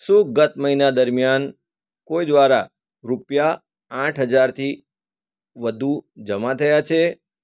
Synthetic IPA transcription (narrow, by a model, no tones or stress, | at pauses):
suɡət̪̚məɦinad̪əɾmjan | kojd̪ʋaɾa | ɾupja | ãʈʰɦəd͡ʒaɾt̪ʰi | ʋəd̪ʱud͡ʒəmat̪ʰəjat͡ʃʰe